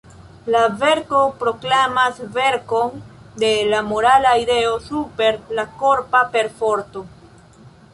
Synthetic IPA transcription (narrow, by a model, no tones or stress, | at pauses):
lave̞ɾko̞pɾo̞klamasve̞ɾko̞nde̞lamo̞ɾalaide̞o̞supe̞ɾlako̞ɾpape̞ɾfo̞ɾto̞